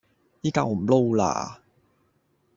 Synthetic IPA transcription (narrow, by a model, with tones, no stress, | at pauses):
i˦˥ka̰˧˩wmlo˥˧wla̰ː˨˩